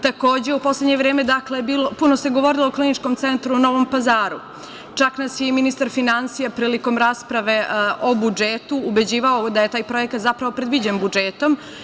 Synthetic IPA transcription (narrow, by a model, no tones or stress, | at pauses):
t̪ako̞ːd͡ʑe̞upo̞sleɲeʋɾeːmed̪aklebiːlopunose̞ɡo̞ʋo̞ɾilˠoːklinit͡ʃkomt̪sent̪ɾuno̞ːʋo̞mpazaːɾu | t͡ʃaknasjeminist̪aɾfinansijapɾiːliko̞mɾaːspɾaʋe̞ʔo̞bud͡ʒet̪uːbe̞d͡ʑiːʋaod̪ajet̪aːjpɾo̞jekat̪zapɾaʋo̞pɾe̞d̪ʋid͡ʑenbud͡ʒeːt̪o̞m